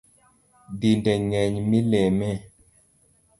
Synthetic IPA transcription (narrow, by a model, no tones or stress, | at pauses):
dindɛŋɛɲmilɛmɛ